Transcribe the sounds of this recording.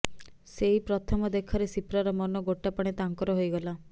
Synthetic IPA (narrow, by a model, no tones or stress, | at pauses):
seɦipɾɔt̪ʰɔmɔd̪ekʰɔɾesipɾaɾɔmɔnɔɡoʈapɔɽ̃et̪aŋkɔɾɔɦojɡɔla